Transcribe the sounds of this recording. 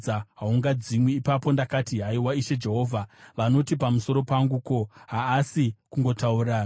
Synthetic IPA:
aɦauŋɡad͡zimwiːpapo̞ndakatiɦaiwaiʃe̞d͡ʒe̞ɦo̞ːvʱaʋano̞tipamuso̞ɾo̞paŋɡuko̞ɦaːsikuŋɡo̞tauɾaː

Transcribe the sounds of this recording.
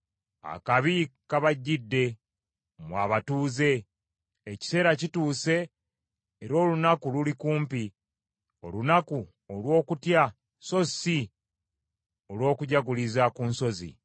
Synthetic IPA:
a̰kaβikaβaɟːidːe̞ | mwaβatuːze̞ː | ci̥se̞ːɾacituːse̞ː | ɾo̞ːlunakululikuːmpi | o̞̰lunaku | olwo̞ːkutja | so̞si | o̞lwo̞ːkuɟaɡulizakuːnso̞zḭ

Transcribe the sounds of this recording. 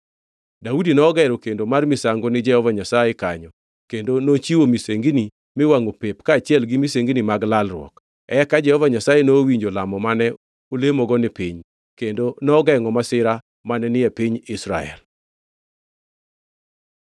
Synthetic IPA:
daudinɔːɡɛɾokendomarmisaŋɡonɪd͡ʒɛhɔvaɲasajekaɲɔ | kendonot͡ʃiwomiseŋɡini | mɪwaŋopepkaːt͡ʃɪɛlɡɪmiseŋɡinimaɡlalrwɔ̰k | ɛkad͡ʒɛhɔvaɲasajenowiɲd͡ʒolamɔmanɛ | olemɔɡɔnɪpiɲ | kendonɔɡɛŋɔmasɪɾa | manɛnɪɛpiɲɪsɾa̰ɛ̰l

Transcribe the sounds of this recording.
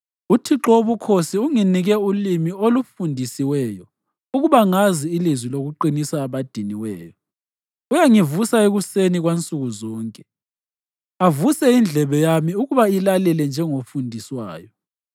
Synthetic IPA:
utʰiǁoβukʰosiuŋiniɣɛulimiolufundʱisiwɛːjɔ | uɣuβaŋaziːlizwiloɣuǃinisaːβad̥ʱiniwɛːjɔ | ujaŋivusaeɣuseniɣwent͡sʼuɣuzɔːŋkʼɛ | avusɛind͡ɮʱɛβɛjamiuɣuβailalɛlɛnd͡ʒʱɛŋofundʱiswa̰ːjɔ

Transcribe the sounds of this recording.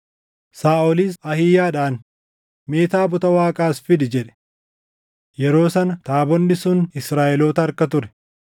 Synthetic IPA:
saːʔɔliːsɐhɪjaːᶑaːn | me̞ːt̪aːbʊt̪ɐwaːkʼaːsfɪd̪ɪd͡ʒɛᶑɛ̥ | jɛɾo̞ːsɐnɐt̪aːbɔnːɪsʊnɪsɾaːʔɛloːt̪ɐːɾkɐt̪ʊɾɛ̥

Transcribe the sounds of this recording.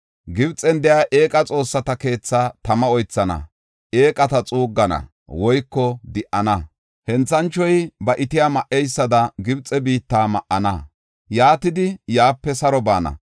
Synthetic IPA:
ɡɪbt͡sʼɛnd̪ɛjaːʔe̞ːkʼɐt͡sʼo̞ːsːɐt̪ɐke̞ːt͡sːaːt̪ɐmɐɔjt͡sːɐnɐ̰ | ʔe̞ːkʼɐt̪ɐt͡sʼuːɡːɐnɐ̰ | wɔjkːɔd̪ɪʔɐnɐ | hɛnt͡sːɐnt͡ʃːɔjbɐʔɪt̪ɪjaːmɐʔɛjsːɐd̪ɐɡɪbt͡sʼɛbiːt̪ːaːmɐʔɐnɐ | jaːt̪ɪd̪ɪjaːpːɛsɐɾɔbaːnɐ̰

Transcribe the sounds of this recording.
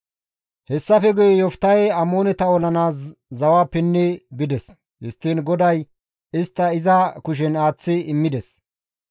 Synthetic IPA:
hɛsːɐfɛɡʊjɛjɔft̪ːɐjɛɐmoːnɛt̪ɐɔlɐnaːs̬ːɐwaːpːɛnːɛbɪd̪ɛs | hɪst̪ːiːnɡɔd̪ɐj | ɪst̪ːɐɪzɐkʊʃ̬ɛnaːt͡sːɪɪmːɪd̪ɛs

